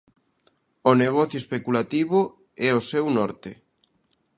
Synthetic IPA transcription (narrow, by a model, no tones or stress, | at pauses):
oneɣɔθjoespekulat̪iβo | ɛosɛwnɔɾt̪e